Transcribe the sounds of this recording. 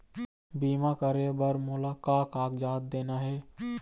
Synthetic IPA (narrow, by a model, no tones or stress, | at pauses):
biːmakəɾebəɾmʊlaːkaːkaːkd͡ʒaːt̪̚d̪eːnaɦɛː